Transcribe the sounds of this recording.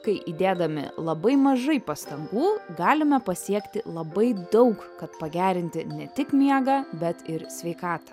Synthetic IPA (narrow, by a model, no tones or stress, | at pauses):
kɐɪʔid̪ʲeːd̪ɐmʲɪ̰lˠɐbɐɪmɐʒɐɪpɐst̪ɐŋɡuːɡɑːlʲɪmʲɛpɐsʲiɛkt̪ʲɪ̰lˠɐbɐɪd̪ɐʊkkɐt̪pɐɡʲæːɾʲɪnʲt̪ʲɪnʲɛt̪ʲɪkmʲiɛɡɑbʲɛt̪ɪɾsʲʋʲɛɪkɑːt̪ɐ̥